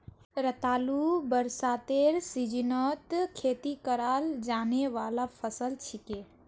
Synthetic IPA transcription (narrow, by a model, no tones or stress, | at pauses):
ɾət̪aːlubəɾsaːt̪eːɾsid͡ʒinɔt̪kʰeːt̪ikəɾaːld͡ʒaːneʋaːlapʰəsəlt͡ʃʰike